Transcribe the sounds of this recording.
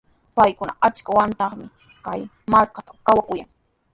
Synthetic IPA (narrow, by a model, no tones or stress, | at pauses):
pajkʊna̰ʔat͡ʃkawant̪ɑχmɪ | kaj | maɾkat̪akawakʊjaŋ